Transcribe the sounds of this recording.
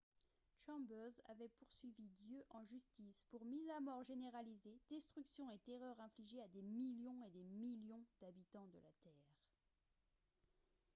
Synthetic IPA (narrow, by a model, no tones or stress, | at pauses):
ʃɑ̃bøza̰vɛpuʁsɥivid̪jøʔɑ̃ʒyst̪ispuʁmizamɔʁʒeneʁalized̪̥ɛst̪χyksjɔ̃et̪eʁœʁɛ̃fliʒead̪emiljɔ̃ed̪emiljɔ̃d̪̥abit̪ɑ̃d̪əlat̪ɛːʁ